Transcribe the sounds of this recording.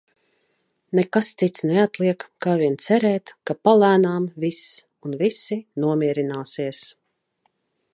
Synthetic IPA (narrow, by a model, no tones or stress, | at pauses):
nekast̪sit̪snɛat̪liɛkkaːviɛnt̪sɛɾɛːt̪kapalæːnaːmvis | unvisinuɔmʲiɛɾinaːsiɛs